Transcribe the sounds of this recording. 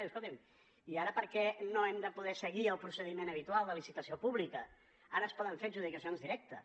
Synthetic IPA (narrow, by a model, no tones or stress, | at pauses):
skolˠt̪im | iaɾəpəɾkɛnoɛmd̪əpuðɛsəɣiəlˠpɾusəðimenəβ̞it̪ualˠd̪əlisit̪əsiopuβlikə | aɾəːspɔðəɱfeʒuðikəsionzðiɾɛk̚t̪ə